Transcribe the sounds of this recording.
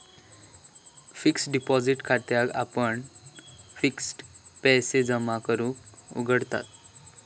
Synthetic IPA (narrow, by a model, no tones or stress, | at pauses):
fiksɖipɔd͡ziʈkʰat̪jaɡa̰pəɳ | fiksʈpɛsed͡zəmakəɾũːkṵɡəɽt̪a̰t̪